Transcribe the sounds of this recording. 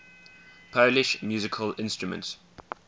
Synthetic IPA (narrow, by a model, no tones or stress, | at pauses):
pʰəʊlɪʃmjʉːzɪkʰəlɪ̃nstɹ̥əmə̰̃nts